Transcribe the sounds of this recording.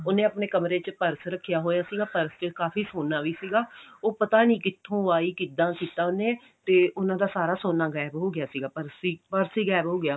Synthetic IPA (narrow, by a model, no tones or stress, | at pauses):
ʊnẽːəpneːkəmɾeːt͡ʃpəɾsɾəkʰːɪjaːɦoːjaːsiːɡaːpəɾst͡ʃəkaːfiːsoːnːaːʋiːsiːɡaːoːpət̪aːnĩːkɪt̪ʰːõːaːiːkiːd̪ãːkiːt̪ãːʊnẽː | t̪eːʊnãːd̪aːsaːɾaːsoːnːaːɡɛːɪbɦoːɡɪjaːsiːɡaːpəɾsiːpəɾsiːɡɛːbɦoːɡɪjaː